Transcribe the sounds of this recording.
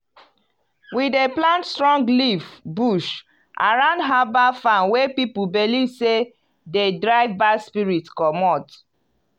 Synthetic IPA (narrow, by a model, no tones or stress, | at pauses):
wideplãntstɹɔ̃ŋɡlivbuʃ | ʔa̰ɹãʊ̃ndɦabafãnwepipubelise | dedɹaɪvbaspiɹitkɔmɔt